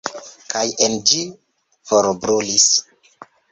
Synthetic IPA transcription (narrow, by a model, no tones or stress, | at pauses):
kʰajend͡ʒi | foɾbɾulis